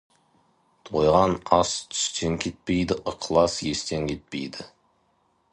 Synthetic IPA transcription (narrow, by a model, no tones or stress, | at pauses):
t̪ʰojʁɑnɑst̪ʰʏ̥st̪e̞ŋkʲʰet̪̚pejd̪ɪʔəqʰlˠɑsje̞st̪e̞ŋkʲʰe̞t̪̚pḛjd̪ɪ